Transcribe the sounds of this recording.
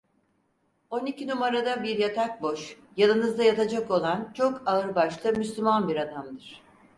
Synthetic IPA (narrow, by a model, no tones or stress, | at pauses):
o̞nicinumaɾad̪abiɾjat̪ʰak̚bo̞ʃ | janˠɯnɯzd̪ajat̪ʰad͡ʒako̞lˠant͡ʃʰo̞kaɯɾbaʃlˠɯmyslʲymanbiɾad̪amd̪ɯɾ̥